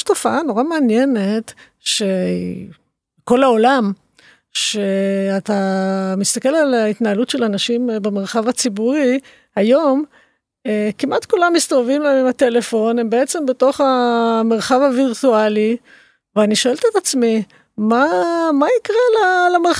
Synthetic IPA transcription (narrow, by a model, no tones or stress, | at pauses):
ʃt̪o̞faano̞ʁameanjenet | ʃḛ | ko̞lao̞lam | ʃeat̪amist̪ake̞lalait̪naalutʃelanaʃimbemeʁ̞χavat͡sibuʁi | hajo̞m | ekimʔatkulamːist̪ovevimlaemimate̞lefo̞nembeet͡se̞mbe̞to̞χame̞ʁχavaviʁtuali | veaniʃoe̞lt̪et̪at͡smi | mamaikʁelalameʁ